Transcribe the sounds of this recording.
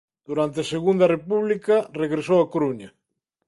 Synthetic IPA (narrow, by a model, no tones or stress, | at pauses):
d̪̥uɾant̪easeɣund̪ɐrepuβlikareɣɾesowakoɾuɲɐ